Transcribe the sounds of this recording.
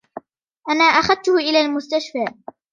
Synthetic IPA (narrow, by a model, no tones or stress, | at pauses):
ʔanaːʔaxaðt̪ʊhʊʔɪlaːlmʊst̪aʃfaː